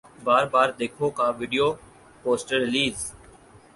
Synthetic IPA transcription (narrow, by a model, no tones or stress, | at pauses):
baːɾbaːɾd̪eːkʰoːkãːʋiːɖijoː | poːsʈəɾɪliːz